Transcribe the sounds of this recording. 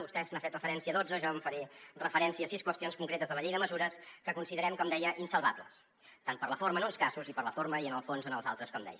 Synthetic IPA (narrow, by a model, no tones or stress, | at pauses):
ust̪ɛsənafet̪rəfəɾɛnsiəðod͡zəʒɔəɱfəɾerəfəɾɛnsiəsiskwəst̪ionskuŋkɾet̪əzðələʎejðəməzuɾəskəkunsiðəɾɛmkɔmd̪ɛjəʔinsəlˠβabləs | t̪anpərləfoɾməːnunskazuzipəɾləfoɾməiənəlˠfonzənəlˠza̰lˠt̪ɾəskɔmd̪ɛ̰jə